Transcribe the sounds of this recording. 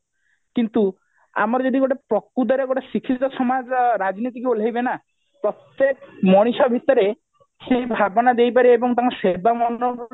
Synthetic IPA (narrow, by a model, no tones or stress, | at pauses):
kint̪u | a̰mɔɾɔd͡ʒod̪iɡoʈepɾɔkːud̪ɔɾeɡoʈesikʰiɔsɔmad͡ʒɾad͡ʒnit̪̬ikuolajbena | pɾɔt̪ːekmɔɽ̃iʃɔbʱit̪ɔɾe | sebʱabɔnad̪ejp̬aɾiebɔŋt̪ãsebamɔnɔ